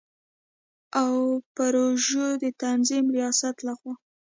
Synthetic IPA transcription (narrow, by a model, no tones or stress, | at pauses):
awpaɾoʒod̪ət̪anzimɾijɑsat̪laxwɑ